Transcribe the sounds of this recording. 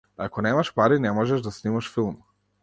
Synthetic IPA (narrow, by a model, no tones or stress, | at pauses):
akɔnɛmaʃpaɾinɛmɔʒɛʒd̪asnimaʃfilˠm